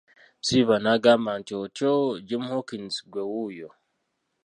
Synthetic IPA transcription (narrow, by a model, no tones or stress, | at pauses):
siβanaɡamantot͡ʃod͡ʒimhokinsɡʷewujo